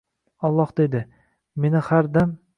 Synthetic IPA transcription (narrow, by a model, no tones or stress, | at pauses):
ɒlˠːɒhd̪e̞d̪ɪ | me̞nɪhaɾd̪am